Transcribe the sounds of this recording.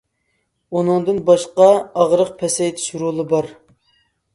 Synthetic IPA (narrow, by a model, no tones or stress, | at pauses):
unɨŋd̪ɨnbɑʃqɑɑʁɾəq̚pʰɛsɛt̪ʰʃuɾulˠɨbɑɾ